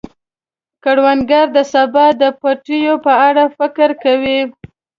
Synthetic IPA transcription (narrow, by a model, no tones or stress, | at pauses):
kaɽwanɡaɾd̪əsabɑd̪əpaʈijopəaɽafɪkɾkawi